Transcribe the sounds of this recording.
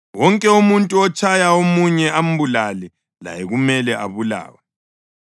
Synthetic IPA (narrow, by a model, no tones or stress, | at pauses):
wɔŋkʼɛumuntʼuɔt͡ʃʰʼajaomuɲɛam̩bulalɛ | la̰jɛɣumɛlɛʔa̰βula̰ːwa